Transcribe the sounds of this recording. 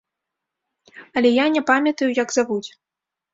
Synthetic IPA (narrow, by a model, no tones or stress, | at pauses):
ɐlʲɛjanʲɛpamʲɐt̪ɐjujɐɡzavut͡sʲ